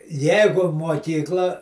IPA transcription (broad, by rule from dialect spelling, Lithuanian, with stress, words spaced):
ˈjɛɪɡʊ muɔˈkʲiːklˠɐ